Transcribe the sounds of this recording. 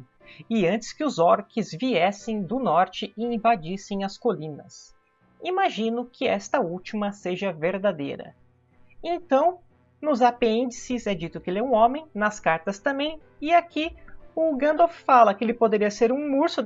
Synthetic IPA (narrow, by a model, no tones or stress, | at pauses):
ɪɐ̃nt͡ʃɪ̥skɪʊzɔɾkɪzviɛsẽj̃d̪ʊnɔɾt͡ʃɪɪĩvad͡ʒisẽj̃ɐskolĩnɐs | imaʒĩnʊkʰɪɛst̪ɐut͡ʃimɐseʒɐveɾd̪ad̪ḛjɾɐ̰ | ẽnt̪ɐ̃w̃ | nʊzapeĩnd͡ʒisɪzɛd͡ʒit̪ʊkɪelɛũõmẽj̃nɐskaɾt̪ɐst̪ɐ̃mbẽj̃ | ɪakiʊɡɐ̃nd̪offalɐkɪelɪpod̪eɾiɐseɾũmuɾsʊ